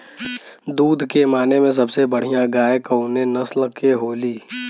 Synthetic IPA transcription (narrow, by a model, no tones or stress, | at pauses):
d̪uːd̪ʱkemaːnemẽs̬ɐbsebɐɽ̤ijãɡaːjkəʊnẽnɐslkeɦoːliː